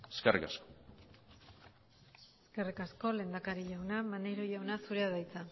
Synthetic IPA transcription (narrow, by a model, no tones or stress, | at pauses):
eskerʔḭkasko | eske̞rikasko̞le̞ːnd̪akaɾiʎawnamanejɾoʝawnasuɾeaðajt͡sa